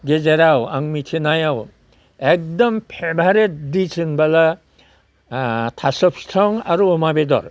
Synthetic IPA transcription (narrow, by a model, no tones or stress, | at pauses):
ɡezeɾawaŋmitʰinajaw | ek̚dɔmpʰebʱaɾet̚disʰɯnbala | tʰasɔp̚stʰɔŋaɾuɔmabedɔ̰ɾ